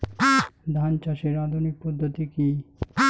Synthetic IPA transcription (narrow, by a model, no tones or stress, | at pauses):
d̪ʱant͡ʃaʃeɾad̪ʱunik̚pod̪ʱːot̪iki